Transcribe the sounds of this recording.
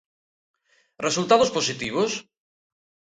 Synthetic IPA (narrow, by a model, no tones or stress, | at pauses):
result̪aðosposit̪iβ̞os